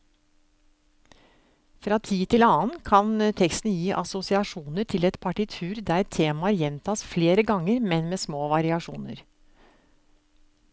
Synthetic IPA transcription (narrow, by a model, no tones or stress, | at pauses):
fɾɑːt̪ʰiːt̪ʰɪlɑːnkʰɑnt̪ʰɛkst̪njiːʔɑsʊsɪɑʂuːnəʈʰɪlɛt̪pʰɑʈɪt̪ʰʉːɾd̪æːɛt̪ʰːeːmɑæɾjɛnt̪ʰɑːsfleːɾəɡɑŋəɾmɛnmeːsmoːʋɑɾɪɑʂṵːnə̰ɾ